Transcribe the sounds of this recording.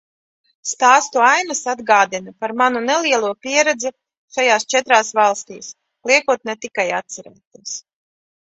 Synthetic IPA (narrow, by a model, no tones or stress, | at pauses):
st̪aːst̪uajnasad̪ɡaːd̪inapaɾmanunɛlˠiɛlˠuɔpʲiɛɾɛd̪zɛ | ʃajaːst͡ʃɛt̪ɾaːsvɑlˠst̪iːs | lˠiɛkuɔt̪net̪ikajat̪t̪saɾɛ̰ːt̪aːs